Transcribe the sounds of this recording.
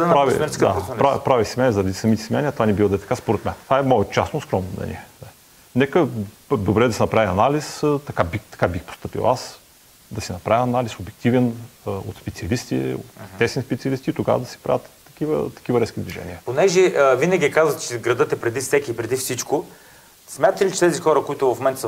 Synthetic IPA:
ɛnp̪ɾavḭmɛɾskdk̪apɾapɾavisimʲɛnɛzɐɾɐd̪isɐmit̪ɛ̥smianiət̪ovanibivˠəd̪ɐɛt̪ɐ̥kaspoɾɛt̪mɛnt̪vaɛmoɛt̪t͡ʃasoskɾɔmnomnɛ̰nia | nɛkə | d̪obɾɛd̪ɐsɛnɐpɾavʲiɐnalist̪ɐkabit̪ɐ̥kabixpo̥st̪ɤpḭlˠas | d̪ɐsinɐpɾavʲiɐnalisobjɛk̚t̪ivɛno̰t̪spɛt̪siɐlist̪ḭo̰t̪ːɛsɛnispɛt̪sʲiɐlist̪iːt̪oɡa̰və̰d̪ɐsi̥pɾʔa̰vət̪ːɐ̥kivə̰t̪ɐ̥k̟ivɐɾɛsk̟ʲid̪viʒɛ̰nʲḭəponɛʒɛvinəɡʲiɛkazvət̪t͡ʃɛɡɾɐd̪ɤt̪ɛpɾɛd̪ifsɛkʲiːpɾɛd̪ifsit͡ʃkʊ | smʲjat̪lit͡ʃɛt̪ɛzixɔɾəkoit̪ʊvɐfmɛnt̪s

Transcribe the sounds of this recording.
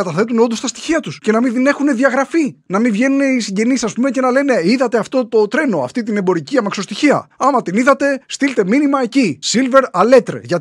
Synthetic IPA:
ɐt̪ɐθe̞t̪uneo̞nd̪ost̪ɐst̪i̥çiɐt̪usce̞nɐminðine̞xune̞ðiɐɣɾɐfinɐminvʝe̞nune̞isiɲɟe̞nisɐspume̞ce̞nɐle̞ne̞iðɐt̪eɐft̪o̞t̪o̞t̪ɾe̞no̞ɐ̰ft̪it̪̬ine̞mbo̞ɾiciɐmɐkso̞st̪içiɐ̰ɐmɐt̪iniðɐt̪e̞st̪ilt̪e̞minimɐe̞cisilve̞ɾɐle̞t̪ɾʝɐ

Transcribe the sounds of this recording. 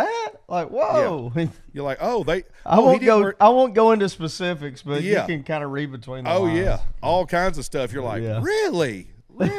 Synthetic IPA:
æt̚laɪkwoʊjə˞laɪkoʊðeɪ | ʔa̰ɪwõʊ̃nɡoʊaɪwõʊ̃nɡ̥oʊɪ̃ntʉspɨsɪfɨksb̥ʌtæɨkɨ̃nkʰãɪ̃ndəɹid̚bɨtʰw̥ĩnoʊjæʔɔlˠkʰãɪ̃ndzʌ̥stʌfjə˞la̰ɪjæɹɪlˠi

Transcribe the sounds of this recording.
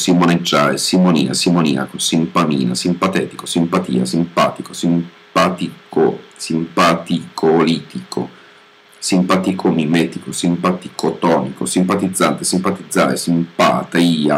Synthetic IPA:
simoned͡ʒːaːɾesimonḭːna̰simonḭːa̰kosimpamḭːna̰simpat̪ɛːt̪i̥kosimpat̪ḭːa̰simpaːt̪ikosimpat̪ikosimpat̪ikʰoliːt̪ikʰo̰ | simpat̪ikʰomimɛːt̪ikosimpat̪ikʰot̪ɔːnikosimpat̪id̪zːant̪esimpat̪id̪zːa̰ːɾesimpa̰t̪iːa̰

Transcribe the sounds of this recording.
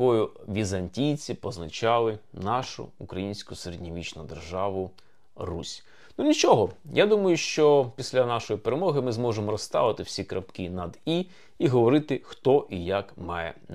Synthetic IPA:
ɔjʊʋʲizɐnʲtʲijt͡sʲipɔznɐt͡ʃɑlˠɪnɑʃʊ̰ʊkɾɐjinʲsʲkʊseɾedʲnʲiʋʲit͡ʃnʊd̪erʒɑʋʊ | rusʲ | nunʲit͡ʃɔɦɔjad̪umɔjʊʃt͡ʃɔpʲisʲlʲanɑʃɔjipeɾemɔɦɪmɪzmɔʒemɔɾɔst̪ɑ̰ʋɪt̪ɪwsʲikɾɐpkʲinɐd̪i | iɦɔʋɔɾɪt̪ɪxt̪ɔʔijakmɑjɛ̰

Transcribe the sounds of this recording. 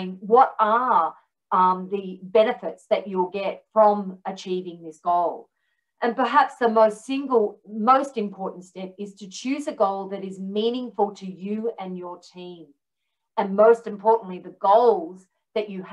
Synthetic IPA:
ŋwʌɾə˞ | ðɨbɛnɨfɨtsðɨt͡ʃəlˠɡɛtfɹʌ̃mɨt͡ʃʰivɪ̃ŋðɪsɡ̥oʊlˠ | ʔɨ̃npə˞ɦæpsðəmoʊstsɪ̃ŋɡl̩ˠmoʊstɨ̃mpʰɔɹʔn̩tstɛpɨz̥tʰɨt͡ʃʰʉzɨɡoʊlˠðɨɾɨzmĩnɪ̃ŋfl̩ˠtʰɨjɨɨ̃njə˞tʰĩm | ɨ̃nmoʊstɨ̃mpʰɔɹʔn̩ʔliðɨɡoʊlˠz | ðɨt͡ʃɨ

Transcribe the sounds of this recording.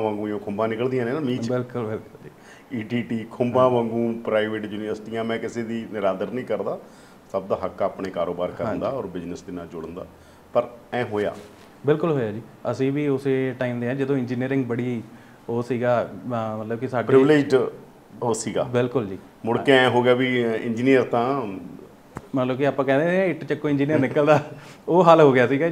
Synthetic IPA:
ʋãːŋɡũːjõːkʰʊmbãːnɪkəld̪ijãːnẽːnamĩːt͡ʃbɪlkʊlbɪlkʊld͡ʒiː | iːʈiːʈiːkʰʊmbãːʋãːŋɡũːpɾaːiʋeːʈjuːnɪʋəɾsʈiːãːmɛ̃ːkɪseːd̪iːnɪɾaːd̪əɾnĩːkəɾd̪aː | səb̚d̪aːɦəkaːpɳeːkaːɾoːbaːɾkəɾə̃nd̪aːɔːɾbɪd͡ʒnəsd̪ɪnãːd͡ʒʊɽənd̪a̰ː | pəɾɛ̃ːɦoːja̰ː | bɪlkʊlɦoːjaːd͡ʒiː | əsĩːʋiːʊseːʈaːiːmd̪eːãːd͡ʒɪd̪õːɪ̃ɲd͡ʒiːniːəɾɪ̃ŋɡ̚bəɽiː | oːsiːɡaːmət̪ləb̚kisaːɖpeɾɪʋɪleːd͡ʒɖ | oːsiːɡa̰ːbɪlkʊld͡ʒiː | mʊɽkeɛ̃ːɦoːɡɪjaːbiːɪ̰̃ɲd͡ʒiːnijəɾt̪ãː | mət̪ləbkiaːpãːkɛ̃ːd̪eːɛ̃ɪʈt͡ʃəkːõːɪ̃ɲd͡ʒiːnijəɾnɪkəld̪aːoːɦəlɦoːɡɪjaːsiːɡaː

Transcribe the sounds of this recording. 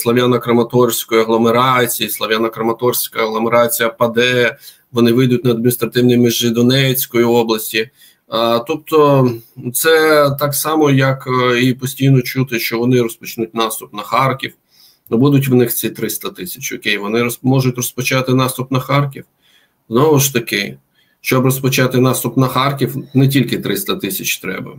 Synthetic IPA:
slˠɐʋjanɐkɾɐmɐt̪ɔrsʲkɔjʊɐɦlˠɔmeɾɑt͡sʲijislˠɐʋʲjanɐkɾɐmɐt̪ɔrsʲkɐɐɦlˠɔmeɾɑt͡sʲijɐpɐd̪ɛ | ʋɔnɪʋɪjd̪ʊtʲnɐːd̪mʲinʲist̪ɾɐt̪ɪwnʲijmiʒːɪd̪ɔnɛt͡sʲkɔjiɔblˠɐsʲtʲi | t̪ɔp̚t̪ɔt̪sɛt̪ɑksɑmɔjɐkipɔsʲtʲijnɔt͡ʃut̪ɪʃt͡ʃɔʋɔnɪɾɔspɔt͡ʃnut̚ʲnɑst̪ʊpnɐxɑrkʲiw | nɔbud̪ʊtʲʋnɪxt͡sʲit̪ɾɪst̪ɐt̪ɪsʲɐ̥t͡ʃɔkʲejʋɔnɪɾɔmɔʒʊtʲrɔspɔt͡ʃɑt̪ɪnɑst̪ʊpnɐxɑrkʲiw | znɔʋʊʃt̪ɐkɪ | ʃt͡ʃɔbrɔspɔt͡ʃɑt̪ɪnɑst̪ʊpnɐxɑrkʲiwnɛtʲilʲkɪt̪ɾɪst̪ɐt̪ɪsʲɐt͡ʃt̪ɾɛ̰bɐ̰

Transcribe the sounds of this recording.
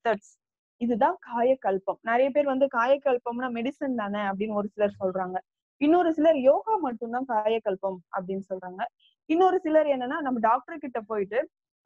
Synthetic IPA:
t̪ɐʈs | ɪðɯt̪ãːkaːjɐkːɐɭpɐmnɐɾɐjɐp̬eːɾʋɐnd̪ɯkaːjɐkːɐɭpɐmnaːmɛɽɪsɐnt̪aːnɐɐp̬ɐɽɪnːɔɾɯsɪlɐɾsɔlɾaːŋɡɐ | ɪnːɔɾɯsɪlɐɾjoːɣaːmɐʈːɯnt̪ãːkaːjɐkːɐɭpɐmɐpːɐɽɪnːɯsɔlɾaːŋɡɐ | ɪnːɔɾɯsɪlɐɾɛnːɐnːaːnɐmːɐɖaːk̚ʈɐɾkɪʈːɐpoːjɪʈːɯ

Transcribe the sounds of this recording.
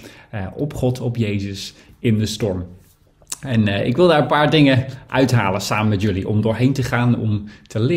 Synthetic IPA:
ʔɔpχɔtʰɔpjejzəs | ɪndəstɔɹm | ɛnɪ̰kʋɪlˠdaːɹənpaːɹdɪŋəʔœɥtɦa̰ːlənsaːmənmɛtjɵliʔɔ̰mdʊːɹɦejntəχaːnɔ̰mtʰəlɪ

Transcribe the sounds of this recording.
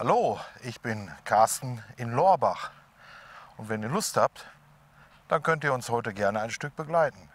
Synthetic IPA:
haloːʔɪçb̥ɪnkʰaɐstn̩ɪnlɔɐbaχ | ʊntv̥ɛniːɐlʊsthap̚t | d̥ankœntiːɐʊnshɔʏtəɡɛɐnəaɪnʃtʏk̚b̥əɡlaɪtn̩

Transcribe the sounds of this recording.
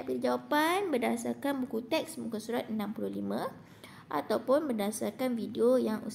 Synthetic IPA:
aʔpilid͡ʒawapanbərdasarkanbukut̪ɛksmukasuɾat̪̚nːãmpuluhlimã | ʔa̰t̪awpʊnbərdasarkanfidiojaŋʔṵs

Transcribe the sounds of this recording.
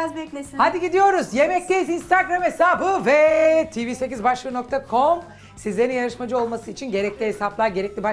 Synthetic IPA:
azbɛclʲesihad̪iɟid̪ijo̞ɾuzje̞mɛc̚t̪ejizinst̪ʰaɡɾamesaːbɯvɛt̪ʰiːviːsecizbaʃlˠɯno̞kt̪ʰakʰo̞m | sizlʲe̞ɾinjaɾɯʃmad͡ʒɯo̞lˠmasɯit͡ʃʰinɟe̞ɾɛclʲiɦesaplˠaɾɟe̞ɾɛclʲiba

